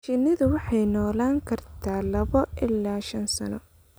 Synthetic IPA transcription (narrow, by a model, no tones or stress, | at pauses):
ʃɪnɪðʊwɑħɑjnɔːlaːŋkʰɐrt̪ʰaːlɐβɔʔɪlːaːʃɐnsɐ̰nɔ̰